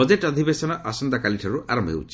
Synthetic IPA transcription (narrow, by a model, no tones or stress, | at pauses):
ɔd͡ʒeʈɔd̪ʱibesɔnɔʔasɔnd̪akaliʈʰɔɾuʔaɾɔmbʱɦḛwt͡ʃʰi̥